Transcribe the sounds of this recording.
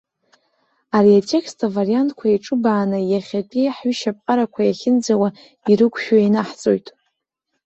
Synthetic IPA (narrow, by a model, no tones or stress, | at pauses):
ariatʰʼe̞kstʰavarijantʰʼkʷʰaiʈ͡ʂʼɨbaːnɨjaχʲapʼiħɥʏʃapʼqʼaɾakʷʰajaχʲɪnd͡zawa | iɾɨkʷʰʼʃᶣainaħt͡sʼo̞̰jtʼ